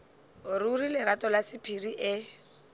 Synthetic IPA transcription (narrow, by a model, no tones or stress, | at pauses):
ʊɾurilɪɾatɔlasɪpʰiriʔɪ